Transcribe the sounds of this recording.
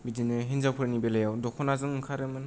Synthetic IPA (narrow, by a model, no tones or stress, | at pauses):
bidinɯinzawpʰɯɾnibelejawdɔkʰɔnazɯŋɯkʰaɾɯmɯn